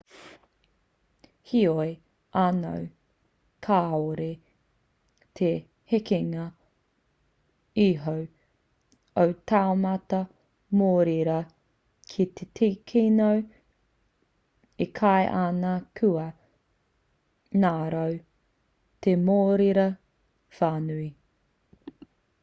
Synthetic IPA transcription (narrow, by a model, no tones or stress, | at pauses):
hioe | ʔano̰w | kʰaːoɾe | t̪ʰe | hekeŋɐ | iɦow | owtʰaomɐtɐ | moːɾiɾɐ | kʰit̪ʰet̪ʰikʰinow | ikʰaeʔanakʰʉɐ | naːɾɐw | t̪ʰemoːɾiɾɐ | faːnui